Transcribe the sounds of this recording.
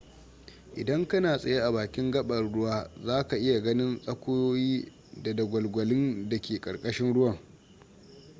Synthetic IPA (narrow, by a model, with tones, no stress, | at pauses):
ʔɪ̰˨dɐ˦ŋkɐ˦naː˨sʼɐ˨je˦ʔa˨baː˨kʲɪ˦ŋɡɐ˦ɓɐ˨ɽʊ˦waː˦zaː˦ka˨ʔɪ˦ja˨ɡɐ˦nɪ˦nsʼɐ˦kʷʊ˦joː˦jiː˦ | da˨dɐ˨ɡʷɐ˨lɡʷɐ˨lɪ˦nda˨kʲeː˨kʼɐ˨rkʼɐ˦ʃɪ˦nɽʊ˦wɐ˨ŋ